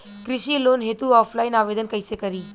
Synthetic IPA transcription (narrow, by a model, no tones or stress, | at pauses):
kɾiʃiːloːnɦet̪uɔːfʰlainaːʋed̪ənkəjsekəɾiː